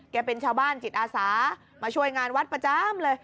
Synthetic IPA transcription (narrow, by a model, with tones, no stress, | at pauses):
kɛː˧˩pe˧nt͡ɕʰaː˧wbaː˥˩nt͡ɕi˨˩t̪̚ʔaː˧saː˩˦ | maː˧t͡ɕʰu˥˩əjŋaː˧nwa˦˥t̪̚pɾa˧t͡ɕa˧mlɤː˧j